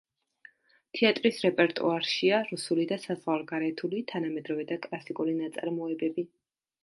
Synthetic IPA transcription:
t̪ʰiat̪ʼɾisɾɛpʼɛɾt̪ʼṵaɾʃiaɾusulid̪asazʁwalˠɡaɾɛt̪ʰulit̪ʰanamɛd̪ɾɔvɛd̪akʼlˠasikʼulinat̪sʼaɾmɔɛbɛbi

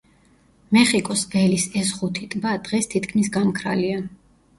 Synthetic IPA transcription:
mɛχikʼɔsvɛlisɛsʁut̪ʰit̪ʼbad̪̥ʁɛst̪ʰit̪ʰkʰmis̬ɡamkʰɾa̰lia

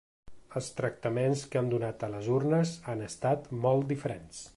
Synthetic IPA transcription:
əlˠst̪ɾək̚t̪əmenskəmd̪unat̪ələzurnəzanəst̪at̪mɔlˠt̪d̪ifəɾens

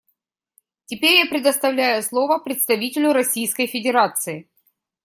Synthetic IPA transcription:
tʲɪpʲeɾʲjapɾʲɪd̪əst̪ɐvlʲæjʊslˠo̞vəpɾʲɪt̪st̪ɐvʲitʲɪlʲʊɾɐsʲijskəjfʲɪdʲɪɾat̪sɨɪ

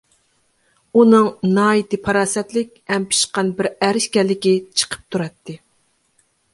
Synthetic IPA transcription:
unɨŋnɑːit̪ɨpʰɑɾɑːsɛt̪lɪkʲɛmpʰɪ̥ʃqɑnbɪɾæɾɪʃkʲɛlːɪkʲit͡ʃʰə̥qʰə̥p̚t̪ʰuɾɑt̪ʰːɨ

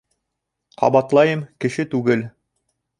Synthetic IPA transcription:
qʰɑ̰βɑt̪lˠɑjɤmkɘ̆ʃɘt̪ʉɡɘl

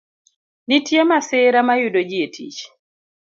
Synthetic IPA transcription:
nitjemasɪɾamajudod͡ʒietʰḭt͡ʃ

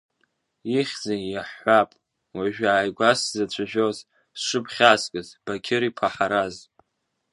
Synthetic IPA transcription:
iχʲd͡zanjaħːʷapʼ | waʒᶣaːjɡʷaszat͡ɕʷʰaʒᶣoz | sʂɨpʰχʲaːskʼɨzb̥akʲʰɪɾipʰaħaɾaz

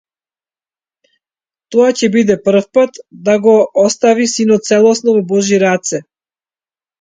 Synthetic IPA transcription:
t̪ɔacɛbid̪ɛpr̩fpat̪d̪aɡɔɔst̪avisinɔt̪̚t̪sɛlˠɔsnɔvɔbɔʒiɾat̪sɛ

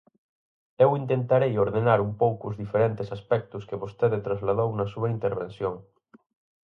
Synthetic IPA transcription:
ewint̪ent̪aɾejoɾðenaɾumpowkʊzðifeɾent̪esaspɛk̚t̪uskeβost̪eðet̪ɾazlað̞ownɐsuβɐint̪eɾβ̞ensjoŋ

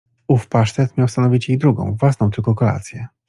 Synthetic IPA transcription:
ufpaʂt̪ɛt̪mʲjawst̪anɔvʲit͡ɕjejd̪ɾuɡɔ̰̃w̃vwasnɔ̃t̪ɘlkɔkɔla̰t̪sʲjɛ

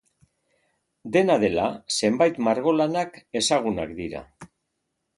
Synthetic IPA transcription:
d̪e̞nað̞e̞lase̞mbajt̪maɾɣo̞lanake̞saɣ̞una̰kd̪iɾa̰

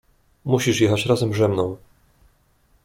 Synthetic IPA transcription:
muɕiʂjɛxat͡ɕɾazɛmʐɛmnɔ̃w̃

